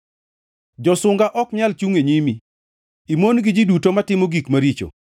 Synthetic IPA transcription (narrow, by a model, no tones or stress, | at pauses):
d͡ʒɔsʊŋɡaʔɔkɲalt͡ʃuŋeɲimi | imonɡɪd͡ʒidutomatɪmoɡikmaɾit͡ʃo̰